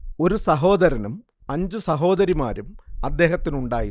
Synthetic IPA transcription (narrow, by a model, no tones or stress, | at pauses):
o̞ɾusɐɦo̞ːd̪ɐɾɐnum | ɐɲd͡ʑusɐɦo̞ːd̪ɐɾima̰ːɾumɐd̪ːe̞ːɦɐt̪ːinuɳɖaːji